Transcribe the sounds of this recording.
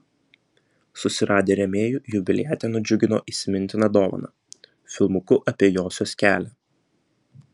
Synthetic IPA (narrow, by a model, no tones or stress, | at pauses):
sʊsʲɪɾɑːd̪ʲeːɾʲɛmʲeːjuːjʊbʲɪlʲɪjɛːt̪ʲɛːnʊd͡ʒʲʊɡʲɪno̰ːʔiːsʲɪmʲɪnʲt̪ʲɪnɐd̪oːʋɐ̰nɑ̰ː | fʲɪlˠmʊkʊʔɐpʲiɛjoːsʲoːsʲkʲæːlʲæ